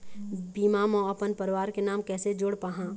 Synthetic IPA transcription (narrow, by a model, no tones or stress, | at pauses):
biːmamɔ̃ɐpənpəɾʋaːɾkenaːmkɛːsed͡ʒoːɽpaɦã